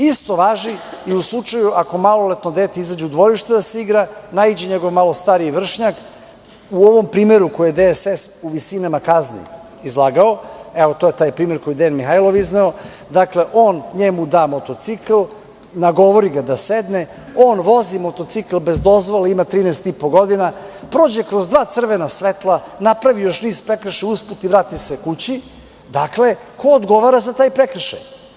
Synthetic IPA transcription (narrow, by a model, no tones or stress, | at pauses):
ist̪o̞ʋaːʒiiuslˠut͡ʂajuʔako̞malo̞let̪nod̪eːt̪eizad͡ʑeud̪ʋo̞ɾiʃt̪ed̪aseiɡɾanaid͡ʑeɲeɡo̞ʋmalo̞st̪aɾijʋr̩ʃɲak | uoʋo̞mpɾiːmeɾukojed̪esesuʋisinamakaznḭ | izlˠaːɡaoeʋot̪oje̞t̪aːjpɾiːme̞ɾkojid̪enmixajlo̞ʋiznao̞ | d̪akle̞ʔo̞ːnɲemud̪aːmo̞t̪o̞t̪sikl | naɡo̞ʋo̞ɾiɡad̪ased̪ne | oːnʋo̞zimo̞t̪o̞t̪sikl̩ˠbe̞zd̪o̞zʋoleimat̪ɾiːnest̪ipo̞ɡo̞d̪inapɾoːd͡ʑekɾozd̪ʋaːt̪sr̩ʋenasʋet̪lˠanapɾaʋijo̞ʃniːspɾekɾr̩ʃeusput̪iʋɾaːt̪isekut͡ɕi | d̪aklekʰo̞ːd̪ɡo̞ʋaɾazat̪aːjpɾekr̩ʃa̰j